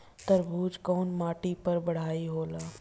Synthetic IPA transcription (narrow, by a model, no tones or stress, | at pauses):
t̪əɾbʱuːd͡ʒkɔːnmaːʈipɐɾbɐɽ̤aːiɦoːlaː